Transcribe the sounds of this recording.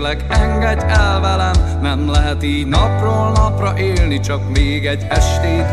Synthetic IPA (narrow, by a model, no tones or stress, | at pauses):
lɛɡɛŋɡɛɟːɛlvɛlɛm | nɛmlɛɦɛt̪iːɟnɒproːlnɒprɒʔeːlnit͡ʃɒkmeːɡɛɟːɛʃt̪eː